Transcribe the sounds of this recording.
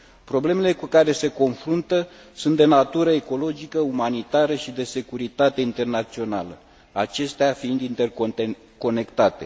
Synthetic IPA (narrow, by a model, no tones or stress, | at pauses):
pɾo̞ble̞me̞le̞kukaɾe̞se̞ko̞nfɾunt̪ə | sunt̪̚d̪e̞nat̪uɾəe̞ko̞lo̞d͡ʒikəumanit̪aɾəʃid̪e̞se̞kuɾit̪at̪e̞int̪e̞rnat̪sio̞nalə | at͡ʃe̞st̪eafiind̪int̪e̞r | ko̞ne̞kt̪at̪e̞